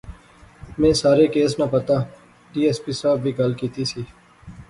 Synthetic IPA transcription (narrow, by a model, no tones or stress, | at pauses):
mẽːsaːɾekeːsnɐpət̪aː | ɖiːeːspiːsaːbbʱiːɡɐlkiːt̪isiː